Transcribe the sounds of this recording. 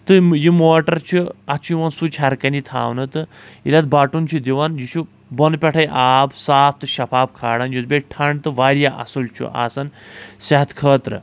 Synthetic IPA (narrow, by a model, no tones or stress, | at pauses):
t̪ɨjimoːʈɐɾt͡ʃʰuɐt͡ʃʰijiʋɐnsut͡ʃʰɐɾkɐnit̪ʰa̰ːʋnɨt̪ɨilɐt̪̚baːʈunt͡ʃʰud̪ʲiʋɐnjit͡ʃʰu | bɔnpʲɐʈʰɐjʔaːbsaːpʰt̪ɨʃɐpʰaːb̚kʰaːɽɐnjuzbʲeʈʰɐɳɖt̪ɨʋaːɾijaʔɐ̰sult͡ʃʰṵʔa̰ːsɐnsɐɦɐt̪ʰkʰəːt̪ɾɨ̰